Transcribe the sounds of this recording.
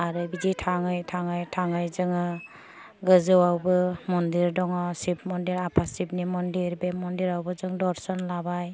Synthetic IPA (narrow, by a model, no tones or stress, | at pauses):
aɾɯbid͡ʒitʰaŋɯjtʰaŋɯjtʰaŋɯjzɯŋɯ | ɡɯzɯwawbɯmɔndiɾdɔŋɔsip̚mɔndiɾapʰasip̚nimɔndiɾbemɔndiɾawbɯzɯŋdɔɾsɔnlabaj